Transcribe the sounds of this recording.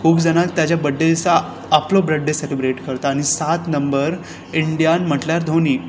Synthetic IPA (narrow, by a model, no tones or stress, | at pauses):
kʰuːpd͡zəñat̪ːjat͡ɕjabəɖːelt͡saː | plobɾeɖːeselibɾeʈkəɾt̪aːɽ̃isat̪nəmbəɾ | iɳɖijanm̤əʈljaɾd̪ʱoniː